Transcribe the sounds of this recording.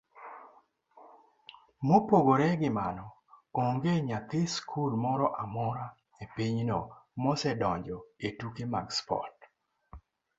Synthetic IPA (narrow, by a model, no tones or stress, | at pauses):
mopoɡoɾɛɡɪmanɔ | koŋɡeɲat̪ɪskʰulmɔɾɔʔamɔɾa | epiɲnɔmɔsɛdɔɲd͡ʒɔetukimaɡspɔ̰t̚